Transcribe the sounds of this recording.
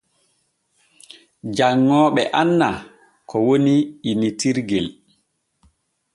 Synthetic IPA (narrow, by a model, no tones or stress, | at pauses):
d͡ʒaŋːɔːɓɛʔanːa | kʰɔwoniinitiɾɡɛl